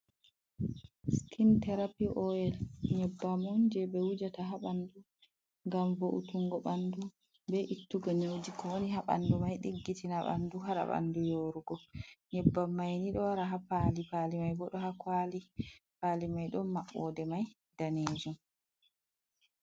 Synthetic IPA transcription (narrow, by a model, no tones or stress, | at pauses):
skʰintɛɾapiʔɔɛlɲɛbːamɔnd͡ʒɛbɛwud͡ʒataɦaɓandu | ŋɡamvoʔutuŋɡɔɓandu | bɛʔitːuɡanewd͡ʒikɔwoniɦaɓa̰ndumajɗiɡːitinaɓa̰nduɦaɾa̰ɓa̰ndujoːɾuɡɔɲɛbːamːajniɗɔwaɾaɦapalipalimajbɔɗɔhakwalipalimajɗɔnmaɓːɔ̰dɛmaj | d̥aned͡ʒum